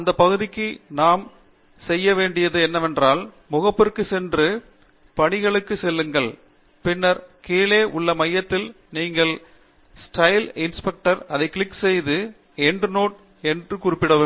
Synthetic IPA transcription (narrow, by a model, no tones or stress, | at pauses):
ɐnd̪ɐpːɐɣɯðɪkːɯnaːm | sɛjːɐʋeːɳɖɪjɐðɯɛnːɐʋɛndraːl | mʊɣɐpːɪrkːɯsɛndrɯ | pɐɳɪɣɐɭɯkːɯsɛlːɯŋɡɐɭ | pɪnːɐɾkeːleːʔʊɭːɐmɐjːɐt̪ːɪl | niːŋɡɐɭ | sʈɐɪlɪnspɛk̚ʈɐɾɐðɐɪkːɭɪkːsɛjðɯ | ɛnɖnoːʈ̚ | ɛndrɯkʊɾɪpːɪɽɐʋɯ